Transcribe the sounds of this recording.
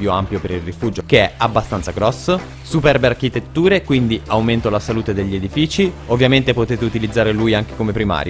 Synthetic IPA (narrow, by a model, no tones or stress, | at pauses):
joampjopeɾilrifuːd͡ʒokeɛabːast̪ant̪saɡɾɔsːo | supɛrbeark̟it̪et̪ːuːɾekwind̪iawment̪olasaluːt̪ed̪eʎːied̪ifiːt͡ʃiovːjament̪epot̪eːt̪eut̪ilid̪zːaːɾelujaŋk̟e̥komepɾima̰ːɾjo